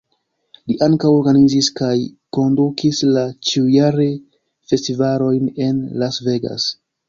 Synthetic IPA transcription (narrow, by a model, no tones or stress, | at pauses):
liʔaŋkawo̞ɾɡaniziskajko̞ndukislat͡ʃiujaɾe | fe̞stivalo̞jne̞nlasve̞ɡa̰s